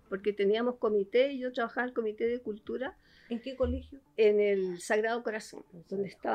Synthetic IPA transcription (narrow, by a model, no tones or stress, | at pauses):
poɾket̪eniamosko̞mit̪eiʝot̪ɾaβaxaβaelko̞mit̪eðekult̪uɾa | eŋkekolexjoenelsaɣɾaðoko̞ɾaso̰nd̪̥o̞nd̪eht̪a